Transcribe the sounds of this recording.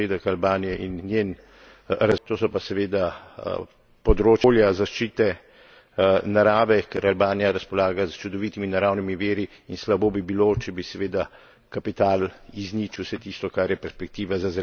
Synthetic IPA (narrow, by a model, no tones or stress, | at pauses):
ed̪ɐkalbaːnijɛʔinːjeːn | ɾat̪oːsɔpasɛʋeːd̪a̰ | pɔd̪ɾoːt͡ʃːljazaʃt͡ʃiːt̪ɛ | naɾaːʋɛkɛɾalbaːnijaɾaspɔlaːɡazt͡ʃud̪ɔʋiːt̪iminaɾawnimiʋeːɾi | inslaboːbibilot͡ʃɛbisɛʋeːd̪a | kapit̪aːliznit͡ʃiwsɛt̪ist̪ɔkaɾjɛpɛɾspɛk̚t̪iːʋazazɛ